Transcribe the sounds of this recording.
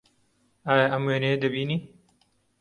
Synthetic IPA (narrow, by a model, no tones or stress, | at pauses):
aːjaʔɐmweːnejed̪ɐbiːniː